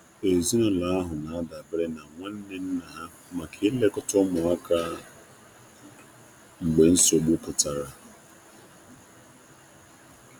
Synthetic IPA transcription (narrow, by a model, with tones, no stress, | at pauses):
e˨zi˦nʊ˦la˨a˦ɦʊ˨na˨a˦da˨bɪ˦ɾe˦na˨ŋʷa˦n̩˦ne˦n̩˦na˨ɦa˦ | ma˨kʰe˦le˦kʊ˦tʊ˦mʊ˨a˦kʰa˦ | ŋ͡m̩˨ɡ͡be˨n̩˦so˨ɡ͡bu˦kʊ˨ta˨ɾa˨